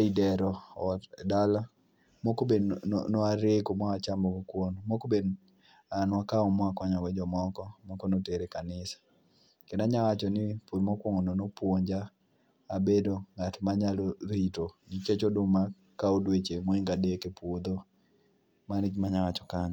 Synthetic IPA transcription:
idɛɾɔɔtdala | mokobḛnoaɾekomɔat͡ʃambokokwonmokoben | anwakaɔmɔakɔɲɔwɛd͡ʒɔmɔkɔmɔkɔnoteɾekanɪsḁ | kɛnaɲawat͡ʃɔnipomɔkwoŋononopwoɲd͡ʒaː | bedoŋatmaɲaloɾitoniket͡ʃodʊma | kaodwet͡ʃemoiŋɡadekepwod̪o | manid͡ʒmaɲawat͡ʃɔ̥kaɲa

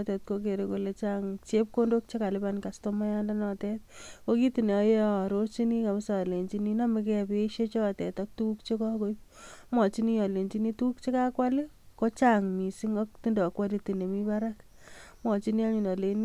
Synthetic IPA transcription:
tɛt̚kok̬eɾekolet͡ʃaŋt͡ʃep̚kondok̚t͡ʃekalɪpankastomajandanɔtɛt̚kokitineɔjɾot͡ʃinikabɪsaleɲt͡ʃininamek̬ɛpeʃet͡ʃɔtɛtɔk̚tuk̚t͡ʃekɔkoipmɔt͡ʃinijɔleɲt͡ʃinitukt͡ʃekakwale | kot͡ʃaŋmisiŋɔktindokwalitinemipaɾak | mɔt͡ʃiniaɲunɔlen

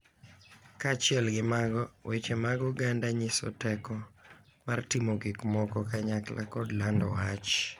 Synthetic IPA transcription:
kat͡ʃɪɛlɡɪmaɡɔwʔet͡ʃemaɡɔɡandaɲɪsɔ̰tɛkɔ | martimokɪkmɔkɔkaɲakla̰kɔdlandɔ̰wat͡ʃ

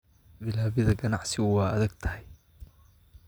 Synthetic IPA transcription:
bɪlaːβɪðɐɡɐnɑʕsɪɣʊwɑːʔɐðɐɡt̪ʰɐ̥hj

